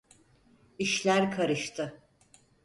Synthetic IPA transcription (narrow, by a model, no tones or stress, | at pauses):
iʃlʲæɾkʰaɾɯʃt̪ʰɯ